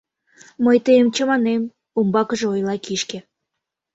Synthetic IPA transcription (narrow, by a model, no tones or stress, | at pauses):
məjt̪eemt͡ɕəmɑnem | umbɑkəʒeojlɑkiʃke